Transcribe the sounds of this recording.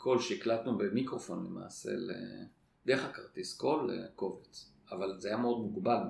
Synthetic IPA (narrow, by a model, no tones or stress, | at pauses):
kʰo̞lʃeiklat̪nube̞mikʁo̞fo̞nlḛma̰ːsḛlḛ | d̪eχakaʁt̪isko̞lḛko̞vet͡s | avalzeajameo̞d̪muɡbal